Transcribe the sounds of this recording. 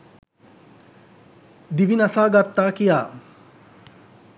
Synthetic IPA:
d̪iʋinasaːɡat̪ːaːkijaː

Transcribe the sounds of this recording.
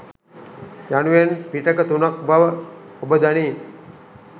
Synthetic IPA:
januʋenpiʈəkət̪unak̚baʋ | ubəd̪ani

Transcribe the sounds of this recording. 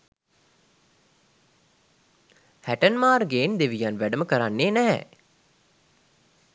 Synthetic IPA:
hæʈənmaːɾɡeːnd̪eʋijanʋæɖəməkəɾanːeːnæɦɛ̰

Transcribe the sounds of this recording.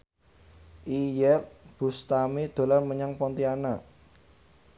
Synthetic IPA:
ʔijɛt̪b̥ṳst̪amed̪̥o̤larməɲaŋpɔnt̪iana

